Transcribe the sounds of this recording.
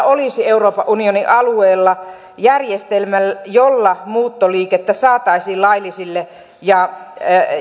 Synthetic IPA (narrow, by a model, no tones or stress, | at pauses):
olisieuroːpɑʔʔunioniʔɑlueːlːɑ | jærjest̪elmæljolːɑmuːt̪ːoliːket̪ːæsɑːt̪ɑisiːlɑilisilːe | jɑ